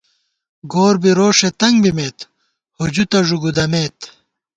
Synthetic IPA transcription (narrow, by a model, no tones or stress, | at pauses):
ɡoːɾbiɾoːʂet̪ɐŋbimeːt̪ | hod͡ʑut̪ɐʐuɡud̪ɐmeːt̪